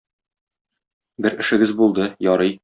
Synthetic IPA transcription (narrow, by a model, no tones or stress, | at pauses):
bɘɾɘ̆ʃɘ̆ɡɘzbulˠd̪ɤjɒɾɤj